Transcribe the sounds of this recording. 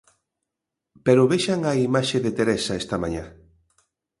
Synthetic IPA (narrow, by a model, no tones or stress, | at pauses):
peɾʊβeʃaŋaimaʃeðet̪eɾesaɛst̪ɐma̰ɲa